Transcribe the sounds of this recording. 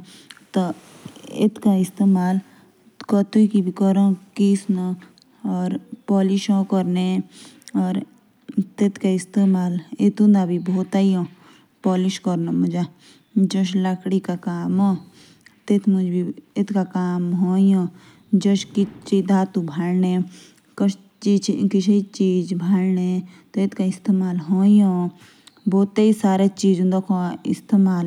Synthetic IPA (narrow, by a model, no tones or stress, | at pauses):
t̪ɔ | ɪ̰t̪ʰkaɪst̪eːmaːl | kɔt̪uikibʱikɔɾõkiːsnõ | ɔːɾpɔːlɪʃõkɔɾne | ɔːɾ | t̪ɪt̪ʰkaɪst̪eːmaːlɪt̪ũnabʱibʱoːt̪aijõ | pɔːlɪʃkɔɾnamʊd͡ʒa | d͡ʒõʃləkɽikakaːmoː | t̪eːt̪ʰmʊd͡ʒbʱiet̪ʰkakaːmɦoːijõː | d͡ʒõʃkit͡ʃid̪aːt̪ubʱalnẽː | kət͡ʃ | t͡ʃit͡ʃʰkɪt͡ʃʰeit͡ʃiːd͡ʒbʱalneːt̪et̪kaɪst̪eːmaːlɦoːjõː | boːt̪ːeisaːɾet͡ʃiːd͡ʒʊ̃nd̪aːkʰoɪ̰st̪eːmaːl